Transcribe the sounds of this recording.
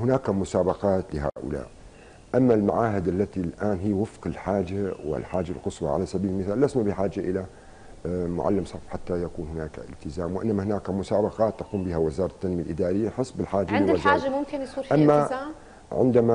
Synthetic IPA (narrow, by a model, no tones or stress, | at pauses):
hʊnaːkamʊsaːbɑqɑːt̪lɪɦa̰ːʔʊ̰la̰ːʔ | ʔamːalma̰ʕaːɦɪd̪ʔalːat̪ilʔaːnɦɪjːwɪfqɪlħaːd͡ʒawɪ̰lħaːd͡ʒa̰lqɨswɑ̰ʕa̰lasabiːlɪlmɪθaːlːasnabɪħaːd͡ʒaʔɪla | mʊ̰ʕa̰lːɪmsˤɑfħat̪ːajakuːnhʊnaːkaʔɪ̰lt̪ɪzaːmwʔɪ̰nːamahɪnaːkamʊsaːbɑqɑːt̪ːɑquːmbɪhawɪzɑːɾˤɑt̪ːanmialʔɪd̪aːɾɪjːaħɨsˤːbɪlħaːd͡ʒaɪazaʒamʊmkɪnsuːɾʔamːa | ʕɪ̰nd̪ama